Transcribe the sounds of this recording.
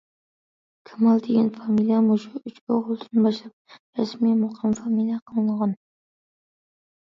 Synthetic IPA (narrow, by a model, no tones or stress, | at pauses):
kʲʰamalˠd̪eɡʲanfamilijamʊʃʊʊt͡ʃkoʁʊlˠt̪ʰɪnɨbɑʃlap̚ɾasmijmʊqʰɨmfamilˠijaqʰɨnɨlʁɑn